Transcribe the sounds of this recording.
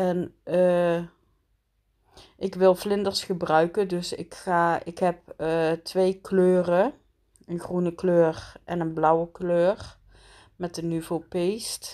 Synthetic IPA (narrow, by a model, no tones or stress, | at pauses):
ʔɛn | ʔɪkʋɪlˠvlɪndərsχəbrœɥkədɵsɪ̰kxaːɪkɦɛp̚ətʰʋejkløːrə | ənxrunəkløːrʔɛnənblʌwəkløːr | mɛt̚dənyvopejst